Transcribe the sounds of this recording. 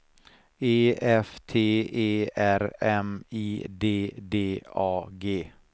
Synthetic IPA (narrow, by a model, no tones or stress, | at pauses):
eːɛft̪ʰeːeːæɾɛmiːd̪eːd̪eːɑːɡeː